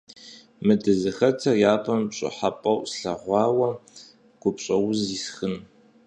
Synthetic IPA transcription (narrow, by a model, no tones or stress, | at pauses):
mɨdɨzɨxɐtʰɐrjaːpʰɐmɕʼɪ̰ħapʼɐwsɬɐʁʷɑːwɐ | ɡ̥ʷʊpɕʼɐwʊziːsxɨn